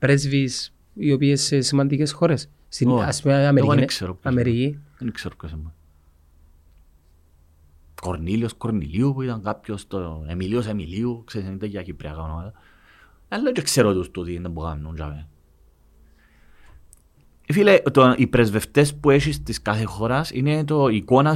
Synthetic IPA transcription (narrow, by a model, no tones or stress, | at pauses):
pɾezvis | iopiesesemant̪ikesxoɾesː | inaseameɾinikseɾopkameɾijionikseɾop̚kesemːa | koɾniljoskoɾnḭliupuiðaŋɡkapçost̪oemiljos̬emiliukseisenint̪aciakipɾiaɣamnoaða | alːod͡ʒekseɾoðust̪uðiend̪ambuɣa̰mnund͡ʒa̰βe | efileʔt̪oʔipɾezβeft̪espueʃist̪iskaθexoɾasḭnet̪̬oikona